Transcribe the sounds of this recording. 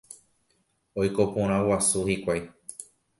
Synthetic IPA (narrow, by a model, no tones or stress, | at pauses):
ojkopõɾ̃ãwasuhikʷaj